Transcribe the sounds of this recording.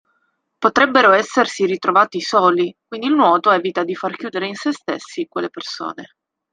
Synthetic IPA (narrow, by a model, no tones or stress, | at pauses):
pot̪ɾɛbːeɾoɛsːersiɾit̪ɾovaːt̪isoːlikwind̪ilnwɔːt̪oɛːvit̪ad̪ifarkjuːd̪eɾeinsest̪ḛsːikwelːeperso̰ːne